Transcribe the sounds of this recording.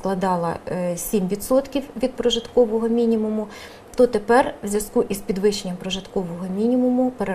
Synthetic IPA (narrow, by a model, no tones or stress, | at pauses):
klˠɐd̪ɑlˠɐ̰sʲimʋʲit̪sɔt̪kʲiwʋʲid̪̚pɾɔʒɪt̪kɔʋɔɦɔmʲinʲimʊmʊ | t̪ɔt̪epɛrwzʲjɐskuʔizpʲid̪ʋɪʃenʲːɐmpɾɔʒɪt̪kɔʋɔɦɔmʲinʲimʊmʊpeɾe